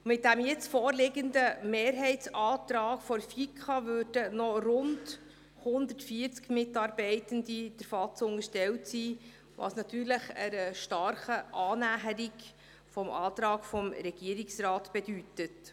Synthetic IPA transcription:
mɪt̚dæmjɛt͡sfɔːɾlɪɡəndəmeːɾɦɛɪtt͡sɑːt̪ɾɑːkfɔɾfikʰχɑvøːd̥ənɔrʊnd | hʊnd̪ətfiːəɾt͡skmɪtɑːɾbɛɪtəndid̥əɾfɑt͡sʊŋəʃtɛltsiː | ʋɑ̰snɑt̪yːɾləχəɾəʃtɑrχəʔɑːnæɦəɾik | fɔmʔɑːt̪ɾɑːɡfɔmɾɛɡ̥iəɾiksrɑːtb̥ɛd̥ytət

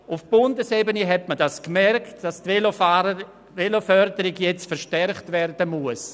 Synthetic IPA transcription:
ʊfb̥ʊndəsebəneɦɛtmədaskmɛrktd̥astelo | ʋelofœɾdəɾɪɡjɛt͡stfəɾʃtɛrχtvɛrdəmuəs

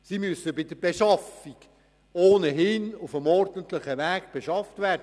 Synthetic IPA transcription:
simysəbɪdəb̥eʃɑfik | oːnəɦɪnufəmɔrdəntləχəʋæːkb̥eʃɑftvæːrd

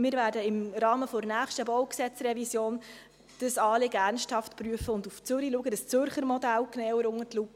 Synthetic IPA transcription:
mɪːɾvæːɾdəɪmɾɑːməfoɾnæːχʃtəbɔʊksɛt͡srɛvisjoːn | d̥əsɑːlɪɡærnsthɑftpryəfəʊnduft͡sʏɾiluəɡədəst͡sʏɾχəɾmɔdælknɛːwəɾʊŋərtlup

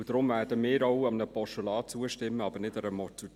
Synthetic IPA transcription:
dɾʊmvæːdəmɪːɾaʊɑmnəpɔʃolɑːt͡suəʃtɪmːəɑbənɪtəɾəmɔtu

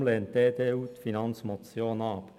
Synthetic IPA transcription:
leːnt̪̚d̪eːd̪eːuːt̪fɪnɑnsmʊt̪sjoːnɑːp

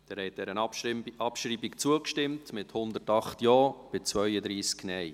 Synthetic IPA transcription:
d̥ɛɾhɛɪt̚d̥ɛɾənɑpʃɾiːbikt͡suəkʃtɪmtmɪthʊnd̪ətɑχtjɑːb̥ɪt͡sʋœʏəd̪ɾiːsknɛj

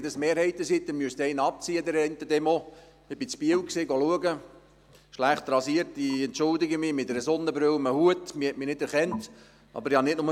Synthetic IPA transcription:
d̪əsmeːɾhɛɪtəsidɛnmyəst̪ɛɪnəɑp̚t͡siːəd̪ɛɾɛɪntədɛmo | ɪbɪt͡spiəwksɪɡɔluəɡə | ʃlæχt̪ɾɑsiəɾtiɛntt͡ʃʊldɪɡəmɪmɪtɛɾəsɔnːəbɾølməhuətmɪhɛtmɪnɪdɛɾχɛnt | ʔɑ̰bəɾɪhɑnɪtnʊmə

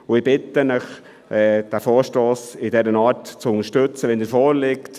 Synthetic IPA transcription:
ʊɪbɪt̪ənəχ | ɛːd̥æfoːɾʃtoːsɪdɛɾənɑːɾtt͡sʊnəʃtɵt͡səʋɛndɛːɾfɔːɾlɪkt

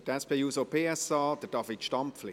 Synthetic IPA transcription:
d̥ɛspʰɛjuːsopʰeːɛsɑːd̥əd̥ɑfitʃtɑmpflɪ

